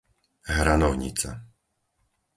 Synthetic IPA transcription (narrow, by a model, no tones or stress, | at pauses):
ɦɾanɔʊɲḭt͡sa̰